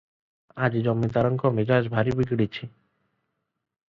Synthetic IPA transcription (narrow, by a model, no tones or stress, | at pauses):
ad͡ʒid͡ʒɔmːid̪aɾɔŋkɔmed͡ʒaʃbʱaɾibiɡɽit͡ʃʰi